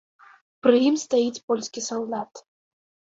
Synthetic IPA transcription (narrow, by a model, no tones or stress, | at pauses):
pɾɨjimst̪ajit͡sʲpɔlʲsʲkʲisɔlˠd̪at̪